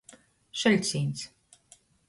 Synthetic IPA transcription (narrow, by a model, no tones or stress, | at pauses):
ʃɛlʲsʲiːns